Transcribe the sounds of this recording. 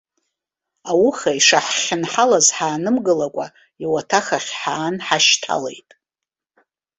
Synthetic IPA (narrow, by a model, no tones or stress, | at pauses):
awʊχaiʂaħχʲɪnħalazħaːnɨmɡɨlakʷʼa | iwatʰaχaχʲħaːnħaʃtʰa̰lḛjtʼ